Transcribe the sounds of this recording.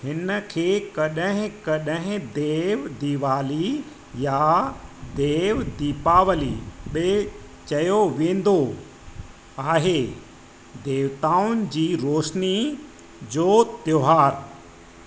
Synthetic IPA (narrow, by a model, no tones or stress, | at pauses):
hɪnəkʰeːkɐɗəɦɪ̃kɐɗɦɪ̃d̪eːʋd̪iʋaːli | ja | d̪eːʋd̪iːpaːʋəliɓe | t͡ɕɐjoʋẽːn̆d̪o | aːɦe | d̪eːʋt̪aːʊnɪ̆d͡ʑiːɾoːʃni | d͡ʑoːt̪joːɦaːɾ